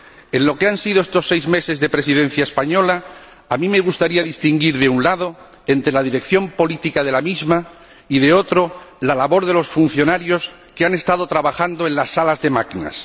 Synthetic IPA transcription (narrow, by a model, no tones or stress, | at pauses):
e̞nlo̞keansiðoe̞st̪o̞sːejzme̞se̞zðe̞pɾe̞siðẽ̞n̟θjaespaɲo̞la | amĩme̞ɣ̞ust̪aɾiaðist̪iŋɡiɾðe̞unlaðo̞ | e̞nt̪ɾe̞laðiɾe̞kθjo̞mpo̞lit̪ikaðe̞lamizma | iðe̞o̞t̪ɾo̞lalaβo̞ɾðe̞lo̞sfun̟θjo̞naɾjo̞s | keane̞st̪aðo̞t̪ɾaβaxand̪oẽ̞nlasːalazðe̞makina̰s